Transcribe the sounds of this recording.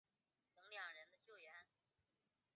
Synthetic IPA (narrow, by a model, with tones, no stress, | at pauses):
nɤ˧˥ŋljɑ˨˩ŋɻə˧˥nd̪ə˧t͡ɕjo˥˩ʊɥɛ˧˥n